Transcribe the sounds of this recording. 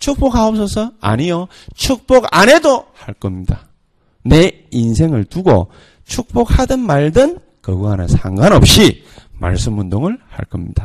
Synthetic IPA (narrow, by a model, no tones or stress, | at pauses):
t͡ɕʰuk̚p͈okhaop̚s͈ʌsʰʌa̰ɲijʌ | t͡ɕʰuk̚p͈oɡa̰ne̞dohaɭk͈ʌmɲida | ne̞ | insʰe̞ŋɯɭtuɡo̰ | t͡ɕʰuk̚p͈ok̚hadɯnmaɭdɯn | kʌɡuɦanɯ̰nsʰaŋɡwanʌp̚ɕ͈i | ma̰ɭs͈ɯmundoŋɯɭha̰ɭk͈ʌmɲid̥a